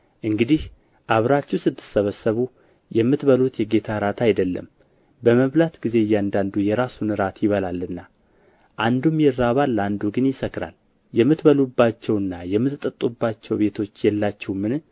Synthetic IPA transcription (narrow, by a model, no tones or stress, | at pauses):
ʔɨŋɡɨd̪ih | ʔaβɾat͡ʃːɛwsɨt̪ʰʼːɨ̥səβəsːəβu | jɛmːɨt̪bəlut̪jɛɡe̞t̪ʰaɾat̪ʰajd̪əlːə̰m | bəməβlat̪ɡize̞jːand̪and̪ujɛɾasunɨɾat̪ʰjɪβəlalːɨnːa | ʔand̪umjɛɾːaβalːand̪uɡɨnjɪsəkɾa̰l | jɛmːɨt̪bəlubːat͡ʃːɛwɨnːajɛmːɨt̪t̪ʼət̪ʼːubːat͡ʃːɛwbe̞t̪ʰo̞t͡ʃːjɛlːat͡ʃːɛwmɨn